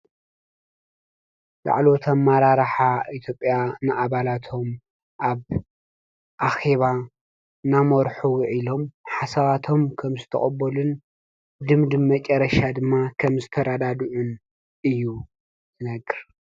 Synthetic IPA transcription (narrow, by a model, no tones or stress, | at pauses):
la̰ʕlo̞t̪ʰamːaɾaɾħait̪ʰjo̞pʼjanɨʔaβalat̪ʰo̞m | ʔaβ | ʔaxe̞βa | namoɾħuwʕilo̞mħasɐβat̪ʰo̞mkʰɐmzɨt̪ʰɐ̰χʼɐbːɐlun | d̪ɨmd̪ɨmːɐt͡ʃʼɐɾɐʃad̪ɨmːakʰɐmzɨt̪ʰɐɾad̪ad̪uʕun | ɨjːu | zɨnɐɡɨɾ